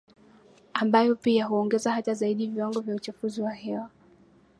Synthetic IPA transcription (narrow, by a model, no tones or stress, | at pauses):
ambajɔpiaɦuɔŋɡɛzahatazaiɗiviwaŋɡɔvjaut͡ʃafuziwahɛwa